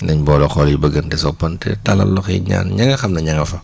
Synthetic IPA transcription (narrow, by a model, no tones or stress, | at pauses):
nɐɲbɔːlɔxɔljibɐɡɐntɛsɔpɐntɛ̰tɐlɐ̰lɔxɲa̰ːnɲɐŋɐxɐmnɐɲɐŋɐfɐ